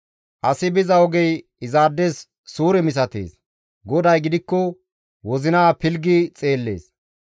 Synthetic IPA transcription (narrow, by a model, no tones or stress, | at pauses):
ʔɐsɪbɪzɐɔɡɛj | ɪzaːd̪ːeːsː | uːɾɛmɪs̬ɐt̪ḛːs | ɡɔd̪ɐjɡɪd̪ɪkːɔ | wɔzɪnaːpɪlɡɪt͡sʼe̞ːlːe̞̰ːs